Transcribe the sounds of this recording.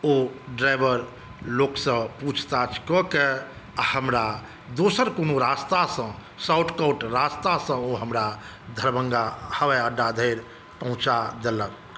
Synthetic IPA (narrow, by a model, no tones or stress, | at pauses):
oɖɾajbəɾ | loksə̃put͡ʃʰt̪at͡ʃʰkɔke | ahəmɾa | d̪osəɾkonoɾast̪asə̃ | sawʈʰkəwʈɾast̪asə̃oɦəmɾa | d̪ʱəɾbəŋɡahəʋɛəɖːad̪ʱəjɾ | pə̃ɦũt͡ʃad̪elən